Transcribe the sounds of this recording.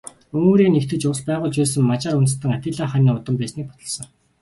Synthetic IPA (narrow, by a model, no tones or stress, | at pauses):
ɵŋoːɾiːnekt̪ʰɘ̆t͡ɕʊspæːʁʊːɮt͡ɕpæːsə̆ŋmat͡ɕaːɾunt̪̆st̪ə̆ŋat̪ʲɪ̆ɮaːχaniːʊt̪ə̆mpæːsniːk̚pɔ̥t̪ɞ̆ɮsɞ̆ŋ